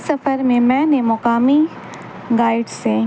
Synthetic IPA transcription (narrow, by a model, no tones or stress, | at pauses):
sɐfəɾmẽmɛ̃ːnẽmɔkaːmi | ɡaːɪɖsẽː